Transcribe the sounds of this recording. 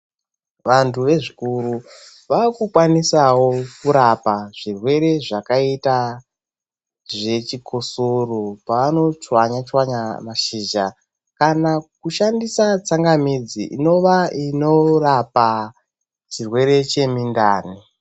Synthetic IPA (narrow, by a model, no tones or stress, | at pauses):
ʋantuʋe̞ʐikuɾu | ʋakukwanisawo̞kuɾapaʐ̥irwe̞ɾe̞ʐakaita | ʐe̞t͡ʃikʰosoropaʋano̞t͡ʃwaɲat͡ʃwaɲamaʃiːd͡ʒa | kanakuʃandisat͡saŋɡamid͡ziʔḭno̞ʋaino̞rapa | t͡ʃirwe̞ɾe̞t͡ʃe̞mindaːni